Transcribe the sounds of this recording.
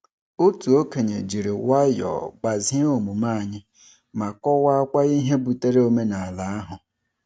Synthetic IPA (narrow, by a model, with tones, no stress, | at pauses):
o˦tu˨o˦ke˨ɲe˨d͡ʒi˨ɾi˨wa˦jɔ̰˨ɡ͡ba˨zo˨mu˨ma˦˨ɲɪ˦ | ma˨kɔ˦wa˦a˦kʷa˦i˦ɦe˦bu˨te˦ɾe˦o˦me˦na˨a˨la˨˦a˦ɦʊ˨